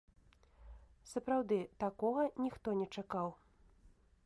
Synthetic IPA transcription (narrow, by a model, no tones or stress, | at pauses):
sɐpɾawd̪ɨt̪akɔɣɐnʲixt̪ɔnʲɛt͡ʂakaw